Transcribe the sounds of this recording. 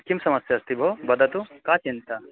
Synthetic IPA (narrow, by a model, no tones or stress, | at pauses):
kimsɐmɐsjɐst̪ibʱobɐd̪ʱɐt̪ukaːt͡ʃint̪ɐ